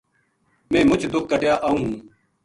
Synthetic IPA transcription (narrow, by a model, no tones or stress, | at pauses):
mẽːmʊt͡ʃʰd̪ʊk̚ːəʈjaːʔaːũːɦũː